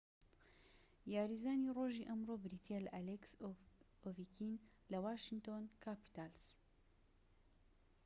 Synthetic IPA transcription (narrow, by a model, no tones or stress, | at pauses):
jaːɾiːzaːniːroːʒiːʔɐmrobɾiːt̪ʰelʔaleksʔoviːkin | lɐwaːʃɪnt̪oːnkʰapi̥t̪als